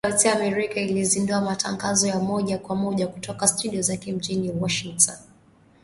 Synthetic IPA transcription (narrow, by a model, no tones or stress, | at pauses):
tamɛɾikailizinduamata̰ŋɡazɔjamɔʄakwamɔʄakutɔkastuɗiɔzakɛm̩ʄiniwɔʃiŋtʰɔn